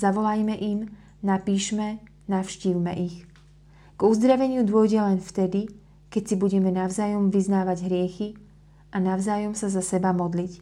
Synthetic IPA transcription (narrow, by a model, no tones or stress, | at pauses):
zaʋɔlajmɛʔim | napiːʃmɛ | nafʃciːwmɛ̰ʔix | ɡ̥uzd̪ɾaʋɛɲɪud̪ʊɔjɟɛlɛnft̪ɛd̪i | kɛcsibuɟɛmɛnaʊzaːjɔmʋiznaːʋaɟɦɾɪɛxi | ʔanaʊzaːjɔmsazasɛbamɔd̪lic